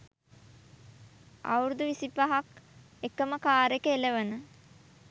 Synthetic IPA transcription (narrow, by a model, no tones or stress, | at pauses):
a̰wɾud̪uʋisipaɦak | ekəməkaːɾekəeləʋənə